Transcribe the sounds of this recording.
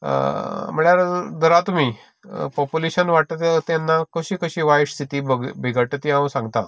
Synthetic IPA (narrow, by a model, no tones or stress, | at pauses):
m̤əɭjaɾd̪əɾat̪um̤iː | pɔpuleɕənʋaʈət̪ət̪janːakəɕiːkəɕiːʋajʂst̪ʰit̪iːbəɡbʱiɡʱəʈət̪iãwsãŋɡt̪a